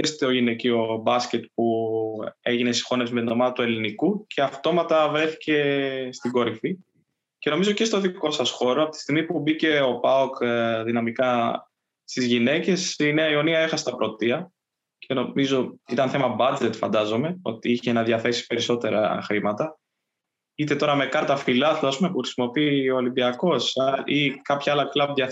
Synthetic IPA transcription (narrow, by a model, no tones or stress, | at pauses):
est̪eo̞ʝinecio̞bɐsce̞t̪̚pu | eʝine̞si̥xo̞nesmend̪omɐðɐt̪ue̞linikucʰe̞ɐft̪o̞mɐt̪ɐvɾe̞θi̥ce̞st̪iɡo̞ɾifi | ce̞no̞mizo̞ce̞st̪o̞ðiko̞sɐsxo̞ɾoɐpo̞t̪i̥st̪iɣmipubice̞o̞pɐokðinɐmikɐ | st̪izʝine̞ce̞sine̞ɐio̞niɐexɐse̥t̪ɐpɾo̞t̪iɐ | cʰe̞no̞mizo̞it̪ɐnθe̞mɐbɐd͡ze̞t̪fɐ̰nd̪ɐzo̞me̞o̞̰t̪iiçenɐðjɐθe̞si̥pe̞ɾiso̞t̪e̞ɾɐ̰xɾimɐt̪ɐ | it̪e̞t̪o̞ɾɐme̞kɐɾt̪ɐfilɐθlɐsumepuxɾisimo̞pioːlimbiɐko̞saikɐpçɐɐlɐklɐbðjɐ